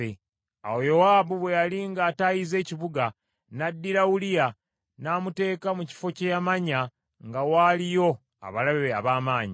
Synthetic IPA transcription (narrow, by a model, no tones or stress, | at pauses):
e | a̰wo̞jo̞waːbuβwe̞jaliŋɡaːtajize̞ːciβuɡa | nadːiɾawulija | naːmute̞ːkamuci̥fo̞cejamaɲa | ŋɡawalijo̞ | a̰βalaββeaβaːmaːɲi